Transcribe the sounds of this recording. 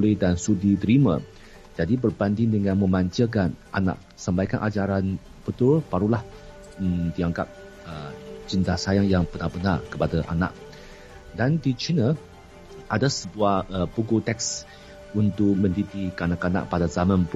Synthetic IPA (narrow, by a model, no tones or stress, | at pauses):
lidansudit̪əɾimã̰ | d͡ʒadibərbandɪŋdəŋãnmə̃maɲt͡ʃəkanʔa̰na̰ʔ̚sambajkanʔad͡ʒaɾan | bət̪ʊrb̥aɾulah | diaŋka̰p̚ | əd͡ʒənd̪ahsajaŋjaŋbənabənarkə̥padaʔa̰na̰k̚ | dandit͡ʃinə | ʔadasəbuahəpukut̪ɛk̚s | unt̪ʊk̚mə̃ndit̪ikanakana̰ʔ̚padazamãnp